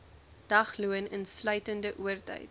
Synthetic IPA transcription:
d̥ɐχluənənslœɥtəndəʔuərtə̰jt̚

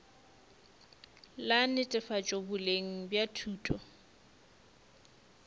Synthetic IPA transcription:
lanɪtʼɪfat͡ʃʼobʊleŋ̩bjatʰuːtʼɔ

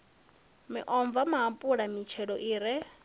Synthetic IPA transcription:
mɪ̰ʔɔɱvamaɦampʼuɺamit͡ʃʰɛɺɔʔiːɾɛ

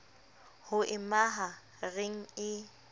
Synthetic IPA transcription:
hʊʔɪmaɦa | reŋ̩ɪ

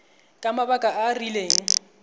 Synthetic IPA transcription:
kʼamabakʼaʔarileːŋ̩

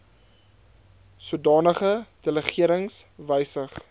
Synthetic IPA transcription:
suədɑːnəχəd̥ələχiəɾəŋsvəjsəχ

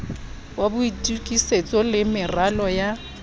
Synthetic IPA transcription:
wabʊitʼukʼiset͡sʼɔlɪmɪralɔja

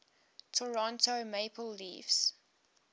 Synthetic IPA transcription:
tʰɔɹɔ̃ntomeɪpʰəlːḭːvs

